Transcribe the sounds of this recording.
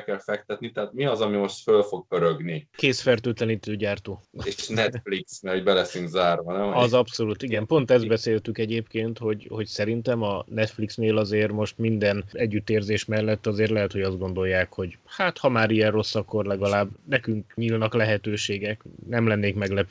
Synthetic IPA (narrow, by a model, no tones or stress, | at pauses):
kɛlfɛk̚t̪ɛt̪nit̪ɛɦaːt̪miɒzɒmimo̞ʃt̪følfo̞ɡ̚pøɾøɡnikeːsfɛrt̪øːt̪lɛnit̪øːɟaːrt̪oːenɛfliksmɛhoɟbɛlɛsyŋkzaːrvɒnɛmɒzɒpso̞lut̪iɡɛmpo̞nt̪ɛzbɛseːlt̪ykɛɟeːpkeːnt̪ho̞ɟho̞csɛɾint̪ɛmɒnɛt̪fliksneːlɒzeːrmo̞ʃt̪mind̪ɛnɛɟːyt̪ːeːrzeːʃmɛlːɛt̪ːɒzeːrt̪lɛɦɛt̪ho̞ɟɒzd̪ɡo̞nd̪o̞jːaːkho̞ɟhaːt̪hɒmaːɾiɛro̞sːɒkːo̞rlɛɡɒlaːbnɛkyŋkɲiːlnɒklɛɦɛt̪øːʃeːɡɛknɛmlɛnːeːkmɛɡlɛp